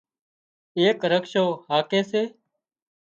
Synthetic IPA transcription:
eːkɾəkʃoːɦaːkeːseː

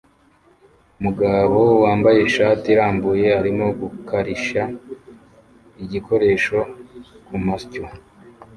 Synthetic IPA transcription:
umuɡaβo̞waːmbajeʃaːtiɾaːmbuje̞aɾimo̞ɡukaɾiʃa | iɟikʰo̞ɾe̞ːʃo̞ | kumasco

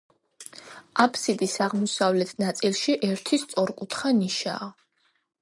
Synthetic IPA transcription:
apʰsid̪ʼisaʁmɔsavlɛt̪ʰnat̪sʼilˠʃiʔɛɾt̪ʰist̪sʼɔɾkʼut̪ʰχaniʃa̰ː

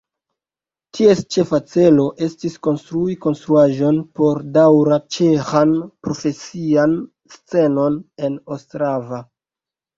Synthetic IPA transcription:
tʰie̞st͡ʃe̞fat͡se̞lo̞ʔe̞stisko̞nstɾuiko̞nstɾuaʒo̞npo̞ɾdawɾat͡ʃe̞xanpɾo̞fe̞sian | st͡se̞no̞ne̞nostɾava

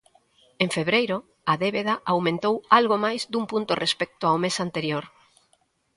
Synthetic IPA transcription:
ẽɱfeβɾejɾo | aðeβeðaʔawmẽnt̪owalɣomajzd̪umpunt̪orʔespɛk̚t̪oaomesant̪eɾjoɾ

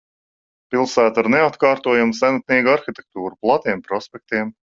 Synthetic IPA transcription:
pilˠsæːt̪aɾneat̪kɑːɾt̪uɔjumsænat̪̚niːɡuaɾxit̪ʲek̚t̪uːɾuplˠat̪iɛmpɾɔspʲɛk̚t̪iɛm

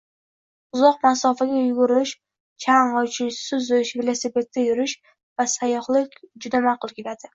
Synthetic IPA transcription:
ʊzɒqmasɒfaɡʲajɡʊɾɪʃ | t͡ʃʰaɴʁɨt͡ʃʰɪʃsʊzɪʃvelˠasepe̞t̪̚ːajʊɾɪʃ | vasajɒχlˠɪkʲd͡ʒʊd̪amaqʊlˠkʲʰelad̪ɪ

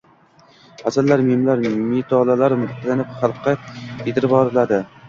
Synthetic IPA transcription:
hasallːaɾmemlaɾmet̪ʰɒlalaɾmʊχt̪ʰlanɪpχɑlˠqʰːɑet̪ʰɪɾɪbɒɾɪlad̪ɪ

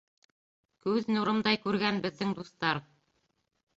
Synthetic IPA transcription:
kʉðnuɾɤmd̪ɑjkʉɾɡænbɘ̆ðːɘŋd̪uθt̪ɑɾ

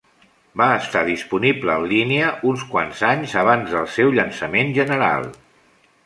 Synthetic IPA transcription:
baəst̪aðispunibləːllineəʔunskwanzaɲzəβ̞anzðəlˠsɛwʎənsəmenʒənəɾa̰lˠ

